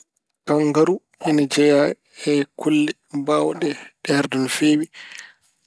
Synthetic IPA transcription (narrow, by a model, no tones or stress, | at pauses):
kaŋɡaɾu | ʔɛnad͡ʒɛja | ɛkulːɛ | bawɗɛɗɛɾdɔnfeːwi